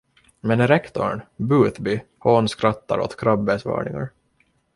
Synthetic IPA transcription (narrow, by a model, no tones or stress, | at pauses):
mɛnɾɛkt̪ɔɳbʉːθbɪhoːnskɾat̪ːaɾo̰t̪kʰɾabːɛsvɑ̰ːɳɪŋa̰ɾ